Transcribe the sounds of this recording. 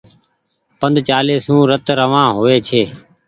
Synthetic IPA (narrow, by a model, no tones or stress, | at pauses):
pənd̪ʱt͡ʃaːleːsũːɾət̪ɾəʋãːɦoːʋeːt͡ʃʰeː